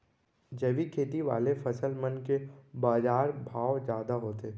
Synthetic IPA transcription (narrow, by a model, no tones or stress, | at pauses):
d͡ʒəʋikʰeːt̪iʋa̰ːlefʰɐsəlmənkebaːd͡ʒaːɾbʱaːwzjaːd̪aɦoːt̪eː